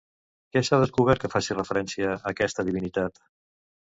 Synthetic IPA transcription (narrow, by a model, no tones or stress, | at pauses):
kɛsaðəskuβ̞ɛɾt̪̚kəfasirəfəɾɛnsiəːkɛst̪əðiβinit̪at̪